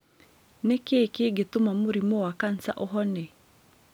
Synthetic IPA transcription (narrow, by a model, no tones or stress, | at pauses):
nekekeɡet̪ʊmamuɾimowakansa̰ʔɔɦɔne